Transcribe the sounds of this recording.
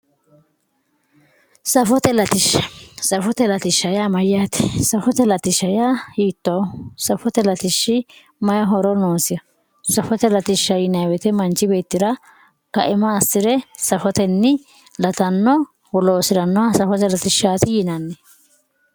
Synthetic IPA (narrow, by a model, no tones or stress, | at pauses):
sɐfɔt̪ɛlɐt̪ɪʃːɐ̥sɐfɔt̪ɛlɐt̪ɪʃːɐjaːmɐjːaːt̪ɪ̥sɐfɔt̪ɛlɐt̪ɪʃːɐjaːhiːt̪ːoːsɐfɔt̪ɛlɐt̪ɪʃːɪ | mɐjɐɦɔɾɔnoːsɪjɐ | sɐfɔt̪ɛlɐt̪ɪʃːɐjɪnɐjwɛt̪ɛmɐnt͡ʃːɪbe̞ːt̪ːɪɾɐ | kɐ̰ʔɪmɐːsɪɾɛsɐfɔt̪ɛnːɪ | lɐt̪ɐnːɔ | wɔloːsɪɾɐnːɔɐsɐfɔt̪ɛlɐt̪ɪʃːaːt̪ɪjɪnɐnːɛ